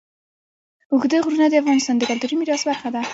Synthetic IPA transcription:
ʊɡd̪əɣɾunad̪əafɣɑnɪst̪ɑnd̪əɡald̪uɾimiɾɑsbaɾxad̪a

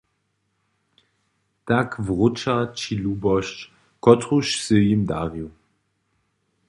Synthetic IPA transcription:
takvʁʊt͡ʃat͡ʃiluːbɔʃt͡ʃ | kɔtʁuʃsəjimda̰ːʁiw

